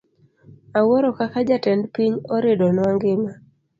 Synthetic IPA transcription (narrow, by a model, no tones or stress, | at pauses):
awɔɾɔkakad͡ʒatɛndpiɲɔɾɪdɔnwaŋɡɪma